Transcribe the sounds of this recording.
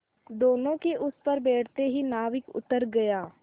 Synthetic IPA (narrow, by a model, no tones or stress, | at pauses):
d̪oːnõkeʔʊspɐɾbeːʈʰt̪eɦinaːʋɪkʊ̰t̪əɾɡɐjaː